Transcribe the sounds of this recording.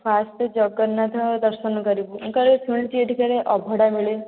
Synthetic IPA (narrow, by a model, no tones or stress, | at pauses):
pʰasʈd͡ʒɔɡɔnːat̪ʰɔd̪əɾʃənkɔɾibuuŋkaɾesuɭt̪ieʈikaɾeʔɔbʱɔɽamiɭe